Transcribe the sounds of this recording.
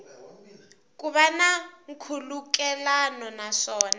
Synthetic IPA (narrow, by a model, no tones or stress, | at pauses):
k̬ʼuβanaŋ̩kʰuluk̬ʼɛlanɔnaʂɔːna